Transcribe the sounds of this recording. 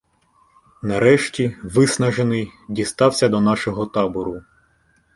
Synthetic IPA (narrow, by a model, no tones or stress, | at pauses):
nɐɾɛʃtʲiʋɪsnɐʒenɪjdʲist̪ɑwsʲɐd̪ɔnɑʃɔɦɔt̪ɑbɔɾʊ